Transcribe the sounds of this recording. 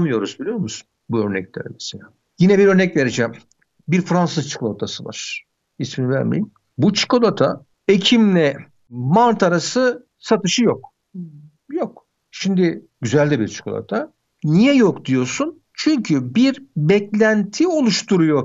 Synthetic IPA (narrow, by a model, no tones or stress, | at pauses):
mɯjo̞ɾuzbilʲijo̞ɾmusu̥n | buø̞ɾnɛ̰clʲeɾɛ̰mɛ̥selʲaː | jinɛbiɾø̞ɾnɛcve̞ɾed͡ʒɛm | biɾfɾansɯzt͡ʃʰi̥kolˠat̪ʰasɯva̰ɾ̥ | isminivæ̰ɾmḛjim | but͡ʃʰɯ̥kolˠat̪ʰa | ecʰimlʲɛ | mant̪aɾasɯ | sat̪ɯʃɯjok | jok | ʃimd̪ɪɟyzælʲd̪ɛbiɾt͡ʃʰi̥kʰo̰lˠa̰t̪ʰa | nijɛjokd̪ijo̞sun | t͡ʃʰyɲcʰybiɾbɛclʲænt̪ʰio̞lˠuʃt̪ʰuɾujo̞